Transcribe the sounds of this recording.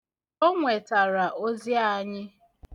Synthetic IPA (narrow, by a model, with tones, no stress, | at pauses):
o˦ŋʷe˨ta˨ɾa˨ʔo˦zja˦˨˦ɲɪ˦